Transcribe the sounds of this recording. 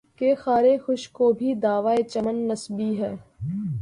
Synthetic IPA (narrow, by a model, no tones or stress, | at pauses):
kexaːɾexʊʃkoːbʱid̪aːʋaːet͡ʃɐmənːəsbiɦɛː